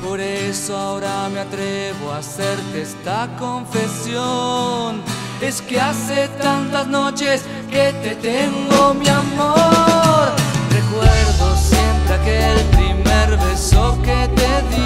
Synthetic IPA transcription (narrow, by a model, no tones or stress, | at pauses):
poɾesoaoɾameat̪ɾeβoaseɾt̪est̪akoɱfesjon | eskeaset̪ãnt̪aznot͡ʃes | ket̪et̪eŋɡomiamo | ɾrekweɾðosjent̪ɾakelpɾimeɾβesoket̪eði